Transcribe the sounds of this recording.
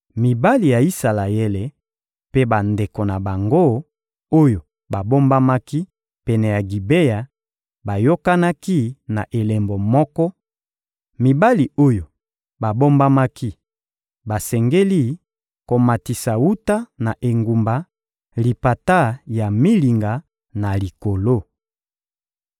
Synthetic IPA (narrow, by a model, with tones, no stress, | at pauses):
mi˨ba˦li˨ja˨i˦sa˨la˨je˦le˨ | pe˦ba˨nde˨ko˨na˨ba˨ŋɡo˦ | o˦jo˨ | ba˨bo˦mba˦ma˦ki˦ | pɛ˨nɛ˨ja˨ɡi˨be˦ja˨ | ba˨jo˦ka˦na˦ki˦na˨ʔe˨lɛ˨mbo˨mɔ˦kɔ˦ | mi˨ba˦li˨o˦jo˨ | ba˨bo˦mba˦ma˦ki˦ | ba˨sɛ˨ŋɡe˦li˦ | ko˨ma˨ti˨sa˨wu˦ta˦na˨ʔe˨ŋɡu˨mba˨˦ | li˨pa˨ta˦˨ja˨mi˦li˨ŋɡa˨ | na˨li˨ko˨lo˦˨